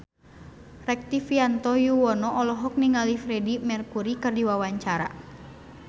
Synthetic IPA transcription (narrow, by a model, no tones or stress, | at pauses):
rɛk̚t̪ifiant̪ɔjuwɔnɔʔɔlɔɦɔk̚niŋalifɾɛdimɛrkuɾikɨrdiwawaɲt͡ʃaɾa̰